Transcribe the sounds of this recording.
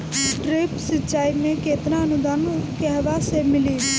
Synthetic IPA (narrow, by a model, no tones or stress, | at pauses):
ʈɾepsɪt͡ʃaːimẽkeːt̪naənud̪ankɛɦʋasemɪli